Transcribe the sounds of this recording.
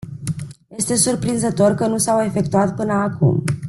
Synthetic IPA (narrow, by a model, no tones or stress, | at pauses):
je̞st̪e̞surpɾinzət̪o̞rkənusawe̞fe̞k̚t̪uat̪pɨnəakʰṵm